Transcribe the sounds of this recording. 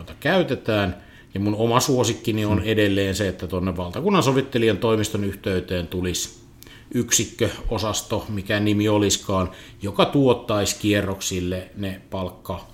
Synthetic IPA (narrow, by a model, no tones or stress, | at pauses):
t̪ɑkæyt̪et̪æːn | jɑmunomɑsuosikːinionedelːeːnseet̪ːæt̪onːeʋʋɑlt̪ɑkunːɑnsoʋit̪ːeliɑnt̪oˑimist̪onyht̪eyt̪eːnt̪ulis | yksikːøosɑst̪omikænimioliskɑːn | jokɑt̪uot̪ːɑiskierːoksilːenepɑlkːɑ